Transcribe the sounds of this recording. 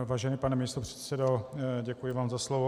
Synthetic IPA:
vaːʒɛnipanɛmɪɪst̪opr̥ɛ̥t̪sɛdoɟɛkujɪvaːmzaslovo

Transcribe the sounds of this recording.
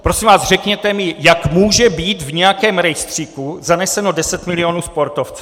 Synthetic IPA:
pɾosimvaːzrɛkɲɛt̪ɛmɪjakmuːʒɛbiːt̪vɲɛjakɛːmɾɛjst̪r̝̥ikuzanɛsɛno̞dɛsɛt̪mɪlɪo̞nuːspo̞ɾt̪oft͡sɛ

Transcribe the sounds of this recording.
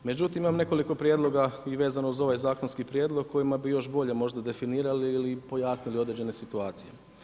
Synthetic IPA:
me̞d͡ʑut̪imimamne̞ko̞liko̞pɾjed̪lo̞ɡaiʋe̞ːzanouzo̞ʋajzaːko̞nskipɾjeːd̪lˠo̞ɡ̚kːo̞jimabijo̞ʃbo̞ʎe̞mo̞ʒd̪ad̪e̞finiːɾaliːlipo̞jaːsnilid̪ɾed͡ʑe̞ne̞sit̪uaːt̪sije̞̰

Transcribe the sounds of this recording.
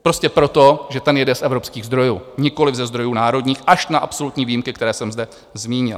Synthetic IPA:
pɾo̞scɛpɾo̞t̪o̞ʒɛt̪ɛnjɛdɛsʔɛvɾo̞pskiːɣzd̪ɾo̞jṵːɲɪko̞lɪvzɛzd̪ɾo̞juːnaːɾo̞dɲiːxʔaʃnaʔapso̞lut̪ɲiːviːjimkɪk̚t̪ɛɾɛːsɛmzdɛ | zmiːɲɪ̰l

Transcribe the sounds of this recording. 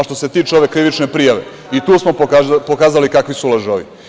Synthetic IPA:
ʃt̪o̞se̞t̪iːt͡ʃeo̞ʋe̞kɾiʋit͡ʃnepɾijaʋe̞̰ | it̪uːsmo̞pːpokaːzalikakʋisulaʒoʋḭ

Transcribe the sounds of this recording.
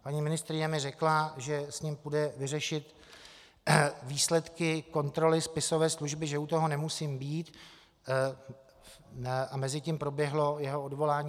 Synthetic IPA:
paɲiːmɪnɪst̪ɾɪɲɛmɪrɛklaʒɛsɲimpudɛvɪrɛʃɪt̪ | viːslɛt̪kɪko̞nt̪ɾo̞lɪspɪso̞vɛːsluʒbɪʒɛut̪o̞ɦo̞nɛmusiːmbiːt̪ | ʔamɛzɪciːmpɾo̞bjɛɦlo̞jɛɦo̞odvo̞laːɲː

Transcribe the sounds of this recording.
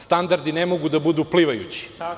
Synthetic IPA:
st̪and̪aɾd̪inemo̞ɡud̪abud̪uːpliʋajṵt͡ɕi̥

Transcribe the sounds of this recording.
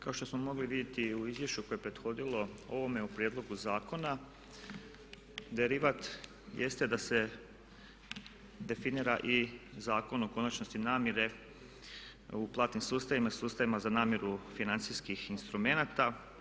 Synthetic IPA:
kao̞ʃt̪osmo̞mo̞ɡliʋid̪je̞t̪iuizʋje̞ʃt͡ɕuko̞je̞pɾe̞d̪xo̞d̪ilo̞o̞ʋo̞meupɾjed̪lo̞ɡuzaːko̞na | d̪e̞ɾiʋat̪ | jest̪e̞d̪ase̞ | d̪e̞finiːɾaʔizaːko̞noko̞nat͡ʃnost̪inaːmjeɾe̞ | uplˠaːt̪nimsuːst̪aʋimaisuːst̪aʋimazanaːmje̞ɾufinant̪siskixinst̪ɾume̞nat̪a

